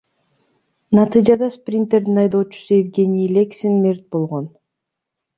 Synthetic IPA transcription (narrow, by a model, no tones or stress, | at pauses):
nɑt̪ɨjd͡ʒɑd̪ɑsprʲint̪eɾd̪inɑjd̪o̞ːt͡ʃu̥suevɡʲe̞nʲijlʲeksinmʲert̪̚bo̞lˠʁo̞n